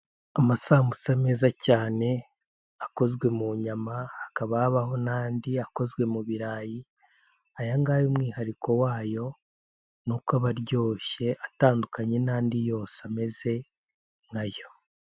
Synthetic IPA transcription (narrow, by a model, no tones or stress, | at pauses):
amasaːmusame̞ːzacaːne̞ | ako̞zɡwe̞muɲamaːkaβaːβaɦo̞naːndiako̞zɡwe̞muβiɾaːji | ajaŋɡaːjumŋiːhaɾikʰo̞waːjo̞ | nukaβaɾɟo̞ːʃe̞ʔataːndukaɲe̞naːndijo̞ːsame̞ze̞ | ŋɡajo̞